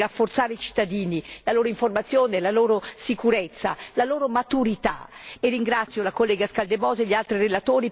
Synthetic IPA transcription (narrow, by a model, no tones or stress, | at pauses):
rafːort̪saːɾeit͡ʃi̥t̪ːad̪iːnilaloːɾoiɱformat̪sːjoːnelaloːɾosikuɾɛt̪sːa̰laloːɾomat̪uɾit̪a̰erːiŋɡɾat̪sːjolakolːɛːɡaskald̪evɔːzeʎialt̪ɾirelat̪oːɾi